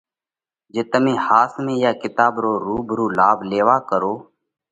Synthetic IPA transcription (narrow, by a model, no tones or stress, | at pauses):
d͡ʒeːt̪əmẽːhaːsmẽːjaːkɪt̪aːbɾoːɾuːbʱɾuːlaːbʱleːʋaːkəɾoː